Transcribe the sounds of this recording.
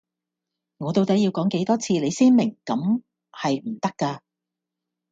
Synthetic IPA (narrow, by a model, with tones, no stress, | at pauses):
ŋɔː˨˧t̪o˧wt̪ɐ˨˥ji˧wkɔː˨˥ŋke˨˥jt̪ɔː˥t͡sʰiː˧le˨˧jsiː˥nmɪ˨˩ŋkɐ˨˥m | hɐ˨jm̩˨˩t̪ɐ˥kːaː˧